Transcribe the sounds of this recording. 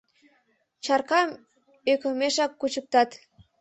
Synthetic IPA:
t͡ɕɑrkɑm | økəmeʃɑkːut͡ɕək̚t̪ɑt̪

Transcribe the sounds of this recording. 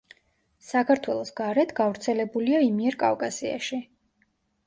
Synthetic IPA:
sakʰaɾt̪ʰwɛlˠɔsɡ̥aɾɛt̪ʰɡavɾt̪sʰɛlɛbuliaimiɛɾkʼavkʼasia̰ʃi

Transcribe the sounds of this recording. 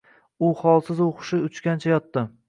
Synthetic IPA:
ʊχɒlˠsɪzoqʊ̥ʃɪʊt͡ʃkʲant͡ʃʰajɒt̪ːɪ

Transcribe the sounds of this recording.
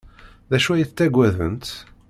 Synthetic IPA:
ðæʃuæjiθt͡s̪ːæɡʷːæðə̰nt̪

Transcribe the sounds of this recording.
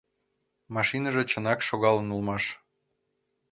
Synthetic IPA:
mɑʃinəʒet͡ɕə̆nɑkʃoɣɑlənulmɑʃ

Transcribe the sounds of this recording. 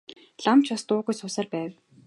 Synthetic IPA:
ɮamt͡ɕast̪ʊːɣujsʊːsaːrpæːw

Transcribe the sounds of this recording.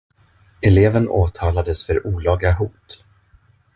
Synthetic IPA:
ɛleːvənʔo̰ːt̪ʰɑːlad̪əsfœɾʔuːlɑːɡaɦuːt̪

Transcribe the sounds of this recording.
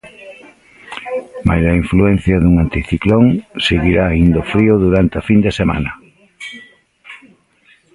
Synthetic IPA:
majsɐiɱfluɛn̟θjɐðuŋant̪iθikloŋseɣiɾaːind̪ʊfɾiʊðuɾant̪eafind̪esema̰nɐ

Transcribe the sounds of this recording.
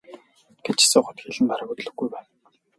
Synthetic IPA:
ɡ̥et͡ɕʰi̥sʊːχʊ̆t̪xeɮɘ̆npaɾə̆kut̪ɮɵ̆ɡːujpæːn

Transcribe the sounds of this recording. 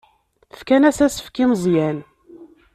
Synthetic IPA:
fkænæsæsə̥fkimzˤjæn

